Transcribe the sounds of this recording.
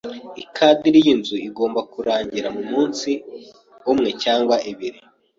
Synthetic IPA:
ikʰadiɾijinzuiɡo̞ːmbakuɾaːɲɟiɾamumuːnsi | umŋe̞caːŋɡwaʔiβiɾi

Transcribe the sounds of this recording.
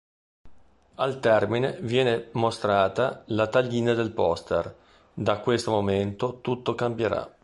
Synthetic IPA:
alt̪ɛrminevjɛːnemost̪ɾaːt̪alat̪aʎːiːnad̪elpɔst̪er | d̪akwest̪omoment̪ot̪ut̪ːokambjeɾa̰

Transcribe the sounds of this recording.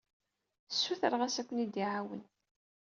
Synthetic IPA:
sːuθəɾˤʁæsækʷːənid̪iʕawə̰n

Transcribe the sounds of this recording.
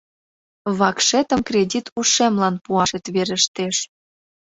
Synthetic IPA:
βɑkʃet̪ə̆mkrʲedʲit̪ʰuʃemlɑnpuɑʃet̪βeɾə̆ʃt̪eʃ

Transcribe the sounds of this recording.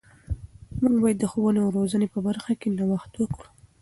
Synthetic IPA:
muɡbɑjəd̪ːəxowəneawɾozənepəbaɾxakenawaxt̪wəkɽu

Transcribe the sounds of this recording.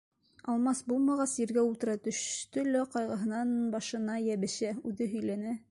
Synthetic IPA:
ɑlˠmɑsbulˠmɑʁɑsjĭɾɡæulˠt̪ɤ̆ɾɑt̪ɵ̆ʃt̪ɵ̆lɘqɑjʁɤ̆ɦɤ̆nɑnbɑʃɤ̆nɑjæβɘ̆ɕæʉðɘɦɵ̆jlænæ

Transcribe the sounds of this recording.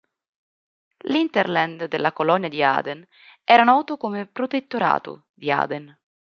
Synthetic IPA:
lint̪eɾlɛnd̪d̪elːakolɔnːjad̪ia̰ːd̪en | ɛːɾanɔːt̪ʊkomepɾot̪et̪ːoɾa̰ːt̪ṵ | d̪ia̰ːd̪en

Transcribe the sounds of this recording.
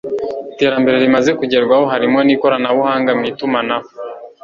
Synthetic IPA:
ite̞ːɾambe̞ɾe̞ɾimaze̞kuɟe̞ɾɡwaho̞ɦaɾimŋo̞niko̞ɾanaβuhaːŋɡamitumanao

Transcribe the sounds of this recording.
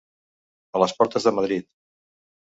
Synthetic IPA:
ələspɔɾt̪əzðəməðɾit̪̚

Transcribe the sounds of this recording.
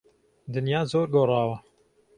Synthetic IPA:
d̪ɨnjaːzoːɾɡoːrˤɑːwɐ

